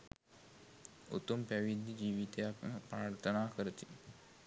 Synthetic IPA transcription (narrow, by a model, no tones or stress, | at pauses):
ṵt̪umpæʋid̪ʱːid͡ʒiːʋit̪ejakməpɾaːɾt̪ʰənaːkəɾət̪i